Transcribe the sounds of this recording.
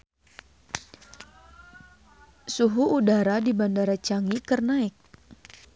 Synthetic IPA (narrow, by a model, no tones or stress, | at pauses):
suɦuudaɾadibandaɾat͡ʃaŋikərnaɪk̚